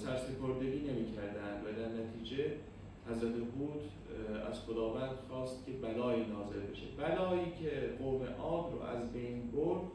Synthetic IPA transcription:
sæɾsepoɾd̪e̞ɡʲiːne̞miːcʰæɾd̪ænd̪væd̪æɾnæt̪ʰiːd͡ʒe | hæzɾæt̪ʰehuːt̪ʰ | æ̰z̥xod̪ɒːvæːnd̪̥xɒːst̪̚cʲʰe̞bælɒːiːnɒːze̞lbe̞ʃḛbælɒːiːcʰeɡoːmḛʔɒːbɾo̰ʔæ̰zbejnboɾd̪

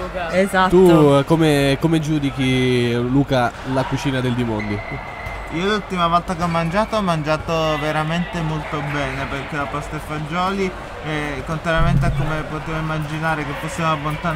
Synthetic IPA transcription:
ezat̪ukomekomed͡ʒuːd̪ikiluːkalakut͡ʃiːnad̪eld̪imond̪i | iːolult̪imavɔlt̪akeɔmːand͡ʒaːt̪oɔmːand͡ʒaːt̪oveɾament̪emolt̪obɛːneperk̟ːelapɔst̪efad͡ʒːɔːli | ɛkːont̪ɾaɾjament̪̬eakːomepot̪eːvoimːad͡ʒinaːɾek̟epːosːjamoabːont̪a

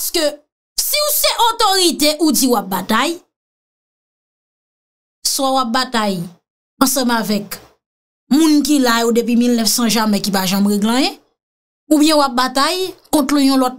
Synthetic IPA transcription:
skø | siusɛʔotoʁiteʔud͡ziwap̚bataj | swawap̚bataj | ʌ̃sʌ̃mavɛk | mũnk̬ilajodep̬wimilnɛfsʌ̃ʒamɛ̃kipaʒamʁeɡlɐ̃je | ubjɛ̃wap̚batajkɔ̃tlyjɔ̃lɔt̚

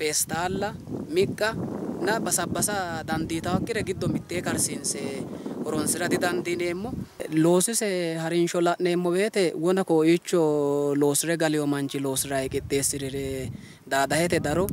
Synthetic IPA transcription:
peːst̪aːlːɐmɪkʼːɐnɐbɐsɐbːɐsɐd̪ɐnd̪iːt̪ɐwɐkːɪɾɛɡɪd̪ːɔmɪt̪ːeːkɐɾsiːnsɛhɔɾɔnsɪɾɐd̪ɪd̪ɐnd̪ɪne̞ːmːɔlo̞ːsɪsɛhɐɾɪnʃɔlɐʔne̞ːmːɔbe̞ːt̪ɛwɔnɐkɔːit͡ʃːɔlo̞ːsɪɾɛɡɐlɪjɔmɐnt͡ʃːɪlo̞ːsɪɾɐjkʼɪt̪ʼːe̞ːsːɪɾɪɾɛ | d̪aːd̪ɐhɛt̪ɛd̪ɐɾɔ

